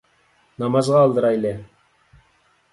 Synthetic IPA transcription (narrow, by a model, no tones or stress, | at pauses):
nɑmɑzʁɑːlˠd̪əɾɑjle